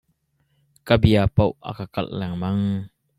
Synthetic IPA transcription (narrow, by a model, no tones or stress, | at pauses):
kabiapowʔa̰kakɐ̰lʔlɛŋmɐŋ